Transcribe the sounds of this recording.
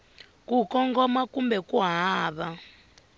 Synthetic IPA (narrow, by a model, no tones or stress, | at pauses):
kukɔŋɡɔmakumbɛkuɦaːβa